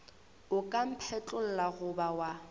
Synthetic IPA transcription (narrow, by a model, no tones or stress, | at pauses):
ʊkʼam̩pʰɛt͡ɬʼʊl̩laɣʊbawa